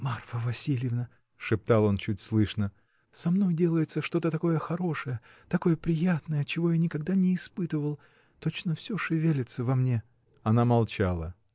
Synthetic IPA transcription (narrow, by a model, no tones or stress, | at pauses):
marfəvɐsʲilʲjɪvnə | ʂɨp̚t̪alˠo̞nt͡ɕutʲslˠɨʂnə | sɐmno̞jdʲe̞lˠəjɪt̪səʂt̪o̞t̪ət̪ɐko̞jəxɐɾo̞ʂɨjə | t̪ɐko̞jəpɾʲɪjat̪nəjət͡ɕɪvo̞janʲɪkɐɡd̪anʲɪːspɨt̪ɨvəlˠ | t̪o̞t͡ɕnəfsʲɵʂɨvʲelʲɪt̪səvɐmnʲe̞ | ɐnamɐlˠt͡ɕalˠə̰